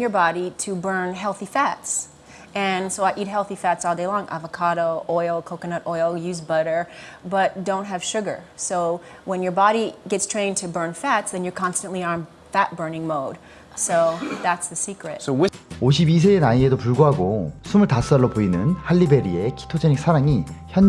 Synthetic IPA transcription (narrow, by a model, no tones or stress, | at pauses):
jə˞bɑɾiɾɨbɜ̃˞nɦɛlˠθifæts | ɨ̃nsoʊaɪʔit̚ɦɛlˠθifætsɔlˠdeɪlɔ̃ŋʔa̰vəkʰɑɾoʊʔɔɪl̩ˠkʰoʊkɨnʌɾɔɪlˠjʉzbʌɾə˞bʌt̚d̥õʊ̃nt̚ɦɨv̥ʃʊɡə̰˞soʊ | wə̃njə˞bɑɾiɡɛtstʰɹ̥ẽɪ̃ntʰɨbɜ̃˞nfætsðɨ̃njə˞kʰɑ̃nstɨ̃nʔliə̃n | fæt̚b̥ɜ˞nɪ̃ŋmoʊd̥ | soʊðætsðɨsikɹɪt̚sooɕ̬ʰibis̬ʰeenaiedopuɭɡoɦaɡosʰumɯɭtas͈ʌɭːopoinɯnhalːibe̞ɾiekʰi̥tʰod͡ʑeniksʰaɾaŋiçjʌn